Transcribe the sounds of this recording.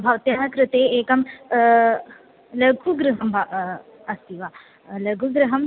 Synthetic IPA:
bʱɐʋɐt̪jaːkɾɨt̪eːeːkɐm | lɐɡuɡɾɨɦɐmbʱɐ | ɐst̪iʋaː | lɐɡʱuɡɾɨɦɐm

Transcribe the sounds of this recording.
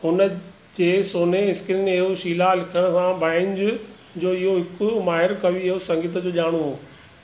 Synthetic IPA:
ɦʊnə | d͡ʑeːsoːneɪskɪɾinɪɦoʃiːlalɪkʰəɽ̃ə̆sãbaːɪnd͡ʑʊ | d͡ʑoːɪɦoɦɪkʊmaːɦɪɾkɐʋiɪɦosɐ̃ŋɡɪt̪̬əd͡ʑoːʄaːɽ̃oɦoː

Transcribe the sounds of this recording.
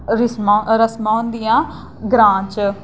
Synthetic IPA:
ɾɪɾəsmãːʊ̃nd̪ijãː | ɡɾãːt͡ʃ

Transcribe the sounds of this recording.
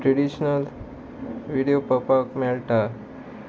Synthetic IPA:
ʈɾeɽiɕnəl | ʋiɽijopəpakmɛlʈa

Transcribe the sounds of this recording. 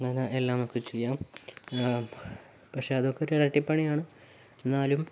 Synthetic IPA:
ŋɐnɐʔelːaːmokːet͡ɕejːaːm | pɐkʂe̞ɐðokːeoɾurɐʈːipːɐɳijaːɳɨ | enːaːlum

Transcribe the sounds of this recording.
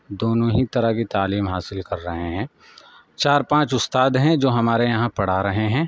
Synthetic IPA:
d̪oːnõɦit̪ɐɾakit̪aːliːmɦaːsɪlkɐɾːɐɦeɦɛ̃ː | t͡ʃaːɾpãːt͡ʃʊst̪aːd̪ɦɛ̃d͡ʒoːɦɐmaːɾejɐɦãpɐɽ̤aɾɐɦeɦɛ̃ː

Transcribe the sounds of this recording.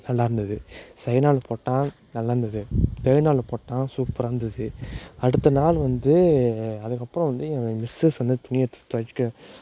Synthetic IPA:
nɐlːaːɪɾɯnd̪ɐðɯsɐjnaːlpoːʈːãː | nɐlːaːɾɯnd̪ɐðɯt̪ɛɪɾnaːlpoːʈːãːsuːkpʊɾaːɾnd̪ɐðɯɐɽɯt̪ːɐnaːlʋɐnd̪ɯɐðɯkːɐpːɯɾɔ̃ʋɐnd̪ɯ̃mɪsɯsʋɐnd̪ɐt̪ʊnɪjɐt̪t̪ɐt͡ʃːɯ̥kːɯ

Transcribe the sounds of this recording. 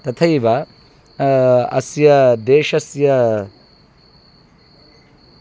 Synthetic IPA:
t̪ɐt̪ʰɐjiʋɐ | ɐsjɐd̪eːʃɐsjɐ

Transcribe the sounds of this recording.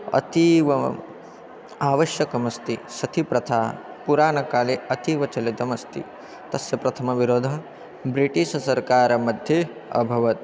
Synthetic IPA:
ɐ̰t̪iʋɐ | aːʋɐʃjɐkɐmɐst̪isɐt̪ʰipɾɐt̪ʰaː | puɾaːnɐkaːliɐt̪iːʋɐt͡ʃɐlit̪ɐmɐst̪ḭ | t̪ɐsjɐpɾɐt̪ʰɐmɐʋiɾoːd̪ʱɐ | bɾiʈiʃɐsɐɾkaːɾɐmɐd̪ʱje | ɐ̰bʱɐʋɐt̪

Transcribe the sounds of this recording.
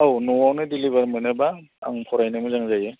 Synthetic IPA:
awnɔwawnɯdilibaɾmɯnɯba̰ːŋpʰɔɾajnɯmɯzaŋzajɯ

